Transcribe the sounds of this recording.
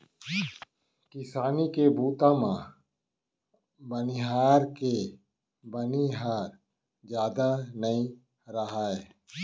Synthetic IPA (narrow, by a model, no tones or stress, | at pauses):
kɪsaːnikebuːt̪ãmã | bənɪɦaːɾke | bəniɦaːɾ | d͡ʒjaːd̪anəĩ | ɾəɦaːe